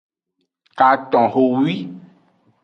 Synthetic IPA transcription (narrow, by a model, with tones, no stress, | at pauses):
ka˨t̪ɔ̃˨ɦo˨wi˦